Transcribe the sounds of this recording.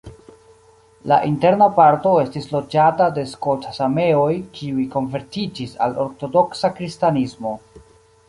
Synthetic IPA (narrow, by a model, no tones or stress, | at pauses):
la̰ʔinte̞ɾnapaɾto̞e̞stislo̞d͡ʒatade̞skotʰasame̞o̞jkʰiujko̞nve̞ɾtid͡ʒisa̰lo̞̰ɾto̞do̞ksakɾistanismo̞